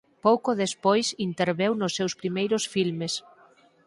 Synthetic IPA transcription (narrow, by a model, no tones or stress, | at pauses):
powkoðespojsint̪eɾβewnʊsːewspɾimejɾʊsfilmes